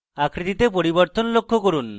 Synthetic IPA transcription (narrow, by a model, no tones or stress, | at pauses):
akʰɾit̪it̪epoɾiboɾt̪onlokʰːokoɾun